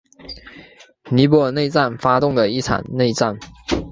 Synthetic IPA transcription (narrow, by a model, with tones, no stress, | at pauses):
ni˧˥p̬wɔ˧˥˩ne˥˧ɪt͡sa˥˩nfa˥t̪ʊ˥˩ŋd̪ə˩i˥˩ʈ͡ʂʰa̰˨˩nne˥˧ɪt͡sa˥˩n